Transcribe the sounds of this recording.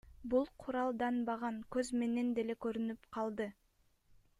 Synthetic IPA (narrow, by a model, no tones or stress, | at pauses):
bulˠqʰuɾɑlˠd̪ɑnbɑʁɑŋkøzme̞ne̞nd̪e̞le̞køɾynypqʰɑlˠd̪ɯ